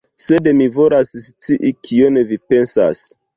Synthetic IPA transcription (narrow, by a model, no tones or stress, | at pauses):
se̞demivo̞lasst͡siʔikʰionevipe̞nsa̰s